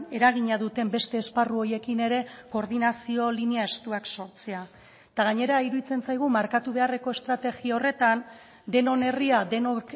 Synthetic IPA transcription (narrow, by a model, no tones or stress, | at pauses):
e̞ɾaɣ̞iɲaðut̪e̞mbe̞st̪e̞ːsparuo̞je̞kine̞ɾe̞ko̞ɾðinasio̞liniae̞st̪uakso̞ɾt͡sea | t̪aɣ̞aɲe̞ɾaiɾuðit͡se̞nsajɣ̞umaɾkat̪uβe̞are̞ko̞e̞st̪ɾat̪e̞ɣiao̞re̞t̪an | d̪e̞no̞ne̞riaðeno